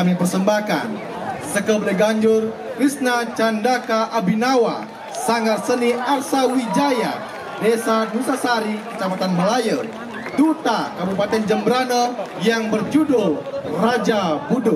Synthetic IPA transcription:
amipərsəmbahka̰n | səkəbləɡaɲd͡ʒʊr | kɾisnat͡ʃandakaʔabinawa | saŋarsəniarsawid͡ʒaja | dɛsadusasaɾikə̥t͡ʃapat̪anməlajər | dut̪akabupat̪ɛnd͡ʒəmbɾanɔ | jaŋbərd͡ʒudʊlrad͡ʒabudʊ

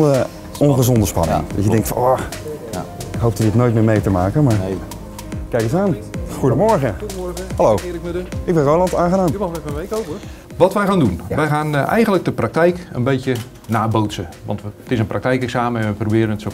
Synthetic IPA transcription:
ə | ɔnχəzɔndəspɑ̰nɪ̰ŋŋdɔ̰tjədɛŋktfɔ | ɪkɦowp̚tədɪtnoːjt̚mɪːɹmejtəmaːkənmaː | kɛjkəsaːnxudəmɔɹɣəhɑlowkɪɡbɛnrowlɑntaːnχədaːnɛfʋejkop | ʋɔtʋɛjxaːndunʋɛjχaːnʔɛ̰jɣənlək̚dəprak̚tɛjkə̰nbejtjə | naːbowtsəʋɑ̰ntʋtɪsənprɑktɛjkɛksaːməɛnʋəprobɪːɾənətso

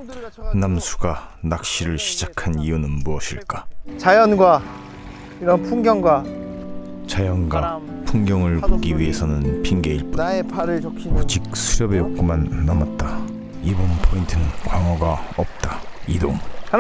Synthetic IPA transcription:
namsʰu̥ɡanak̚ɕ͈iɾɯɭɕʰid͡ʑakʰaniunɯnmuʌɕʰiɭk͈at͡ɕajʌnɡwa | iɾʌnpʰuŋɡjʌŋɡwa | t͡ɕajʌnɡapʰuŋɡjʌŋɯɭpoɡiɥie̞sʰʌnɯnpʰiŋɡe̞iɭpuepʰɾɯud͡ʑik̚sʰuɾjʌbe̞jok͈̚omanːamat̚t͈a | ibʌnpʰointʰɯnɯnkwaŋwʌɡaʌp̚t͈aido̰ŋ

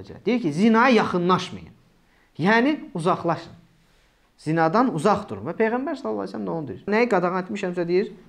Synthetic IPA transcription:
d͡ʒɛ̰d̪ejiɾcizinɑjɯjɑχɯnlˠɑʃmɯ̰jɯ̰m | jæːniuzɑχlˠɑʃɯn | z̥inɑd̪ɑnuzɑχd̪uɾumvæpʰe̞jɣæmbæɾsɑlˠɑlːˠɑ̰sælæmd̪aonud̪eɾiɾnæjiɡɑd̪ɑʁɑnet̪miʃæmsæd̪ejiɾ

